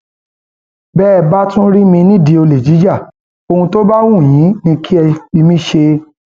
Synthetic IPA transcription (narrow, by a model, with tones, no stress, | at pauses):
bɛː˦˨ba˦tũ˦ɾi˦mĩ˧nĩ˦˨di˨˧o˧le˨d͡ʒi˨˦d͡ʒa˦˨ | o˧hũ˧to˦ba˦wũ˦˨j̃ĩ˨˦nĩ˧kʰi˦ɛ˧i˧mĩ˦ʃe˧